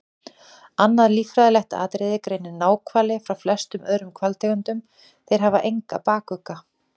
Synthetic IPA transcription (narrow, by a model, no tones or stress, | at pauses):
anːaðliːfɾaðɪlɛht̪a̰ːt̪ɾɪðɪkɾeːjnɪnaːwkʰvaːlɪfɾawflɛst̪ʏmœːɾʏmkʰvalt̪ʰɛkʏnt̪ʏm | θejɾ̥ɦavaʔejŋka̰paːkʏka